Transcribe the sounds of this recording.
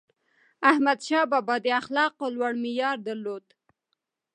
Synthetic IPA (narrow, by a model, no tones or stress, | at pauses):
ahmad̪ʃɑbɑbɑd̪əaxlɑqolwaɽmijɑɾd̪aɾlod̪